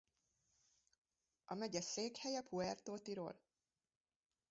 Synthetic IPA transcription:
ɒmɛɟɛseːkhɛjɛpʰuɛrt̪oːt̪iɾo̰ːl

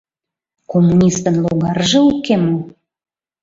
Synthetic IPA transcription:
komːunʲist̪ənloɣɑɾʒɤ̆ukːemo

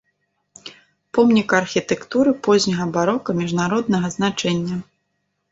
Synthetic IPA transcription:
pɔmnʲikɐrxʲit̪ɛkt̪uɾɨpɔzʲnʲɐɣɐbaɾɔkɐmʲiʐnaɾɔd̪̚nɐɣɐznat͡ʂɛnʲːɐ

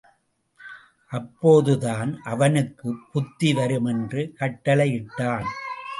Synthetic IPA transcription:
ʔɐpːoːðɯðaːnʔɐʋɐnɯkːɯpːʊt̪ːiʋɐɾɯmɛndrɯkɐʈːɐlɐɪɪʈːaːn

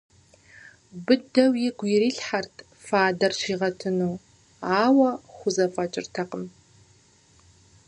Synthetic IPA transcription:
bɨdɐwjɪɡʷiɾiːɬħartʰ | faːdɐrɕiːʁɐtʰɨnuː | aːwɐχʷʊzɐfʼɐt͡ʃʼɪ̰rtʰɐqəm

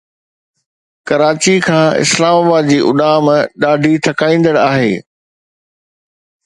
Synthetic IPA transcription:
kɐɾaːt͡ɕikʰãːɪ̰slaːmaːbaːd̪̚d͡ʑiːʔʊ̰ɗaːmɗaːɖʱit̪ʰɐkaːĩːn̆d̪əɽaːɦḛː

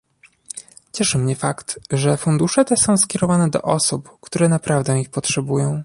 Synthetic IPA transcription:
t͡ɕɛʂɘmɲɛfakt̪ʐɛfund̪uʂɛt̪ɛsɔ̃w̃skʲɛɾɔvanɛd̪ɔ̰ʔɔsupkt̪uɾɛnapɾavd̪ɛ̃ixpɔtʂɛbujɔ̃w̃

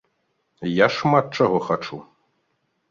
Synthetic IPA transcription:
jaʂmat̪̚t͡ʂaɣɔxat͡ʂu

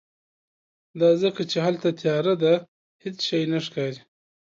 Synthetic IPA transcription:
d̪ɑːzəkat͡ʃeɦɐlt̪at̪ʰjɑːɾad̪a | hɪt͡sʃajnaʂkaːɾi

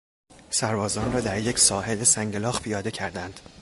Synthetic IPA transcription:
sæɾbɒːzɒːnrɒːd̪æɾje̞cʲsɒːhe̞lesæŋɟelɒːɣpʰijɒːd̪e̞cʰæɾd̪ænd̪̥

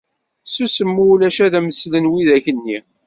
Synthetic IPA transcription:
susəmːulæʃæðæməslənwiðæçənːi

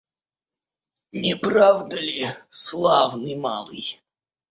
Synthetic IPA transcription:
nʲɪpravd̪əlʲɪslˠavnɨjma̰lˠɨ̰j

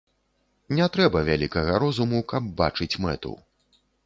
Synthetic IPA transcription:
nʲɛt̪ɾɛbɐvʲalʲikɐɣɐɾɔzumukɐb̚ːa̰t͡ʂɨt͡sʲmɛ̰t̪ṵ

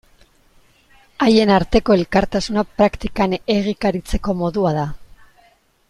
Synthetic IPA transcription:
aje̞naɾt̪e̞ko̞e̞lkaɾt̪asunapɾakt̪ikane̞ɣ̞ikaɾit͡se̞ko̞mo̞ðuaða

